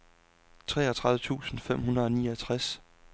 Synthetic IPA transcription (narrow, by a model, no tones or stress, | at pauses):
t͡sʰʁɛːɐt͡sʰʁɑ̈ðˠʋət͡sʰṵːsn̩fem̰ɦunɐð̞̩ˠɒ̽niːɒt͡sʰʁas